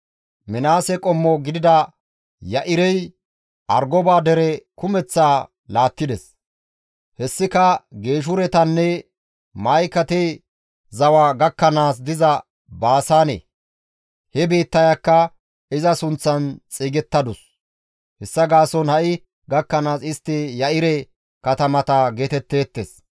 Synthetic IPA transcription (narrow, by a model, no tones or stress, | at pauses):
mɛnaːsɛkʼɔmːɔɡɪd̪ɪd̪ɐ | jɐʔɪɾɛj | ʔɐɾɡɔbaːd̪ɛɾɛkʊmɛt͡sːaː | laːt̪ːɪd̪ɛs | hɛsːɪkɐɡe̞ːʃ̬ʊɾɛt̪ɐnːɛ | mɐjkɐt̪ɛ | zɐwaːɡɐkːɐnaːs̬d̪ɪzɐ | baːsaːnḛ | hɛbiːt̪ːɐjakːɐ | ɪzɐsʊnt͡sːɐnt͡sʼiːɡɛt̪ːɐd̪ʊs | hɛsːɐɡaːsɔnhɐʔɪ | ɡɐkːɐnaːsɪst̪ːɪjɐʔɪɾɛ | kɐt̪ɐmɐt̪ɐɡeːt̪ɛt̪ːe̞ːt̪ːes